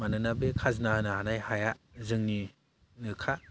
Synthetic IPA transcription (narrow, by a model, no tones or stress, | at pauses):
manɯnabekʰaznanaanajhajazɯŋni | nɯkʰa